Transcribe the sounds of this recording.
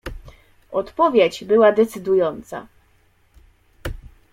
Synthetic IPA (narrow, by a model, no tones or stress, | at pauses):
ɔt̪pɔvʲjed͡ʑbɘwad̪ɛt̪sɘd̪ujɔnt̪sa̰